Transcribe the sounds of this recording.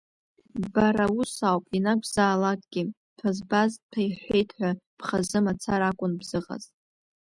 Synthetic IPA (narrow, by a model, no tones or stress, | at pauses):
baɾausawpʼinakʷʰzaːlakʼɡ̥ʲi | tʰazbaztʰajħʷe̞jtʰħʷᶣapχazɨmat͡sʰaɾakʷʼʊnbzɨʁʼa̰z